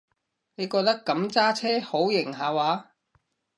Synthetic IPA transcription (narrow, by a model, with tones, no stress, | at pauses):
ne˨˧jkɔː˧k̚t̪ɐ˥kːɐ˨˥mt͡saː˥t͡sʰɛː˥ho˨˥wjɪ˨˩ŋɦaː˨waː˨˧˥